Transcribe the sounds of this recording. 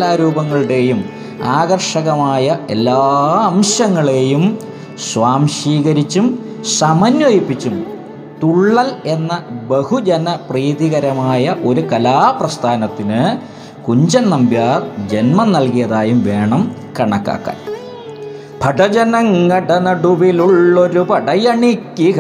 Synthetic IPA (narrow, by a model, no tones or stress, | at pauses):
laːɾuːbɐŋːɐɭɽe̞ːjum | aːɡɐrʂɐɣɐmaːjɐʔe̞lːaːɐmɕɐŋːɐɭe̞ːjum | sʋaːmʂiːɣɐɾit͡ɕːum | sɐmɐnjojipːit͡ɕːum | t̪uɭːɐle̞nːɐbehud͡ʑɐnɐpriːðiɣɐɾɐmaːjɐʔo̞ɾukɐlaːprɐst̪ʰaːnɐt̪ːinɨ | kuɲd͡ʑɐnnɐmbjaːrd͡ʑe̞nmɐnnɐlkijɐðaːjumʋe̞ːɳɐm | kɐɳɐkːa̰ːkːa̰ːn | bʰʱɐɖɐd͡ʑɐnɐŋːɐɖɐnɐɖuʋiluɭːo̞ɾupɐɖɐjɐɳikːi